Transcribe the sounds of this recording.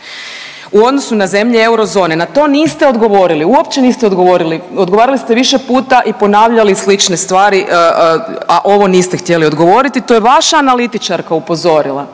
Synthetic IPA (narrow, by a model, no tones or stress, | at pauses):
uo̞d̪no̞sunaze̞mʎeewɾo̞zo̞ːne̞nat̪o̞niːst̪e̞o̞d̪ɡo̞ʋo̞ɾiliuo̞pt͡ɕe̞niːst̪eo̞d̪ɡo̞ʋo̞ːɾilio̞d̪ɡo̞ʋaːɾalist̪e̞ʋiʃe̞puːt̪aʔipo̞naːʋʎalislit͡ʃne̞st̪ʋaːɾiʔ | aʔo̞ʋo̞niːst̪ext̪je̞lio̞d̪ɡo̞ʋo̞ɾit̪it̪o̞jeʋaʃaːnalit̪it͡ʃaɾkaupo̞zo̞ɾilˠa̰